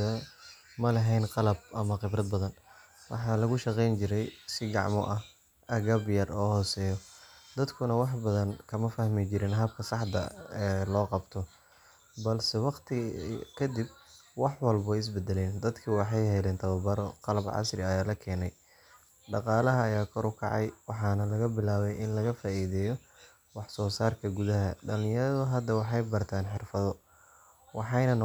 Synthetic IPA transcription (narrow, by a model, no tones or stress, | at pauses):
ɐ | mɐlɐɦɛjnqɑlɐbʔɐmɐqɪbɾɐd̪̚bɐðɐn | wɑ̰ħɑːlɐɣʊʃɑqɛjnt͡ʃɪɾɛjsɪɡɑ̰ʕmɔ̰ʔɐh | ʔɐɣɐbjɐrɔːhɔːsɛːjɔd̪̥ɐd̪kʰʊnɐwɑħbɐðɐnkʰɐmɐfɐhmɪt͡ʃɪɾɪnɦɐb̚kʰɐsɑħd̪ɐ̰ɛːlɔːqɑbt̪ʰɔ | bɐlsɛwɑqt̪ʰɪkʰɐd̪ib̚wɑħwɑlbɔɪs̬bɛd̪ɛlɛːnd̪ɐd̪kʰiːwɑħɑjɦɛjlɛːnt̪ʰɐβɐbɐɾɔqɑlɐbʕɑ̰srɪɐjaːlɐkʰɛːnɛj | ɖɑqɑːlɐɦɐːjaːkʰɔɾʊkʰɑʕɑjwɑħɑːnɐlɐɣɐbɪlaːβɛjʔɪnlɐɣɐfaːʔiːðɛːjɔ | wɑħsɔːsaːrkʰɐɡuðɐɦɐɖɐlɪjɐɾɐðʊɦɐd̪ːɐwɑħɑjbɐrt̪ʰaːnħɪrfɐðɔ | wɑħɑjnɐn